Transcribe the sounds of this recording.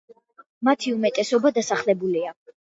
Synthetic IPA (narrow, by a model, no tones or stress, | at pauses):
mat̪ʰiumɛt̪ʼɛsɔbad̪asaχlɛbulia